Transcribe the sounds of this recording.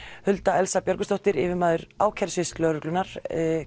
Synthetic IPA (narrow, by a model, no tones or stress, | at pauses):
hʏlt̪aɛlsapjœɾkʏst̪oht̪ɪɾɪːvɪmaːðʏɾaːwkʰɛɾ̥sɪslœːɾʏklʏnaɾ̥